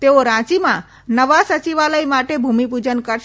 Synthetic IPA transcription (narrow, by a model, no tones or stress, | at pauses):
t̪eoɾãt͡ʃimã | nəʋasət͡ʃiʋaləimaʈebʱumipud͡ʒənkəɾ